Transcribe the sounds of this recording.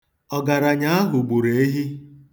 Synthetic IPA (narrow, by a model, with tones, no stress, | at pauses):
ɔ˨ɡa˨ɾa˨ɲa˦a˦ɦʊ˨ɡ͡bu˨ɾe˨e˦ɦi˦